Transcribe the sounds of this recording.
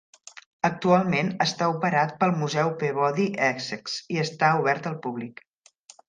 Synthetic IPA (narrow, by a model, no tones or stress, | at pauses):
ək̚t̪ualˠmenəst̪aupəɾat̪̚pəlˠmuzɛwpeβɔðiʔɛkzəksiəst̪auβ̞ɛɾt̪əlˠpuβlik